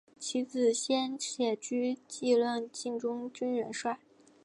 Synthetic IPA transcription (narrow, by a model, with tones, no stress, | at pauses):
t͡ɕʰi˧˥t͡sɹ̩˨˩ɕjɛ˥nɕjɛ˨˩t͡ɕy˥t͡ɕi˥˧lwə˥˧nt͡ɕi˥˩ŋʈ͡ʂʊ˥ŋt͡ɕy˥nɥɛ̰˧˥nʂwa˥˩ɪ